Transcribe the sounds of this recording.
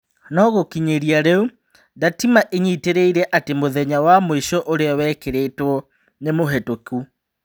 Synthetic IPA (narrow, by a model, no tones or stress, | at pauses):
nɔɣokiɲeɾiaɾeu | datimaʔeɲiteɾeiɾɛʔatemoðɛɲawamoiʃɔʔoɾeawɛkeɾetwɔ | nemoɦɛtoku